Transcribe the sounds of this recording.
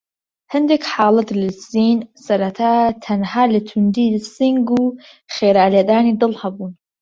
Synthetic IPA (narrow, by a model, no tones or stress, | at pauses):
hɨnd̪eːkħaːlɐt̪lɨziːnsɐɾɐt̪ʰat̪ʰɐnhaːlət̪ʰund̪iːsiŋɡuː | xeːɾaːlɛd̪aːniːd̪ɨlhɐbuːn